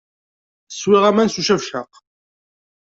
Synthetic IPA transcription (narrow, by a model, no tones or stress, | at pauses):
swiʁæmænsuʃæfʃəq